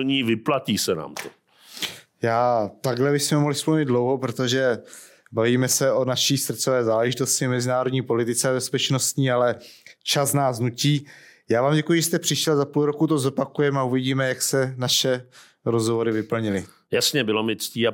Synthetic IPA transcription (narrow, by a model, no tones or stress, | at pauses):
ɲiːvɪplaciːsɛna̰ːmt̪o | jaːt̪aɡɦlɛbɪsmɛmoɦlɪsploɲɪd̪dlowɦopɾot̪o̞ʒɛ | baviːmɛsɛo̞naʃiːsr̩t͡sovɛːzaːlɛʒɪt̪o̞scɪmɛzɪnaːɾodɲiːpo̞lɪt̪ɪt͡sɛabɛspɛt͡ʃno̞st̪ɲiːalɛt͡ʃaznaːsnuciːjaːvaːmɟɛkujuʒɛst̪ɛpr̝̥ɪʃɛlzapuːlɾokut̪o̞zopakujɛmauvɪɟiːmɛjaksɛnaʃɛ | ɾozɦovoɾɪvɪpl̩ɲɪlɪ | jasɲɛbɪlomɪt͡sciːa